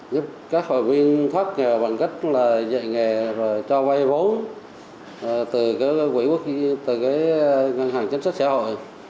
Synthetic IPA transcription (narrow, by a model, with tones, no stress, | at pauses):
zə˦˥p̚kaː˦˥k̚ho̰˧˨˩jvi˧ənt̪ʰwaː˦˥t̚ŋɛ˨˩wɓa˨˩ŋkə˦˥t̚laː˨˩zə̰˧˨jŋɛ˨˩zo˨˩jt͡ɕɔ˧va˧jvo˨˦n˨˩ | t̪ɨ˨˩kaː˨˦jkwḭ˧˩ku˦˥ək̚t̪ɨ˨˩kaː˨˦jŋa˨˩nhaː˨˩ŋt͡ɕə˧˦nsə˦˥t̚saː˧˩ho̰˧˨j